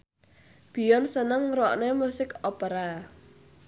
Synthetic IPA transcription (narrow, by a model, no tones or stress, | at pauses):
b̥i̤jɔnsənəŋɾɔʔnemusɪkɔpəɾa